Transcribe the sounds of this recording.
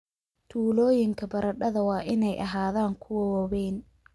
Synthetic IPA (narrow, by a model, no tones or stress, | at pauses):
t̪ʰuːlɔːjɪŋkʰɐbɐɾɐɖɐðɐwɑːʔɪnɛjʔɐɦaːðaːŋkʰʊwɐwɔβɛjn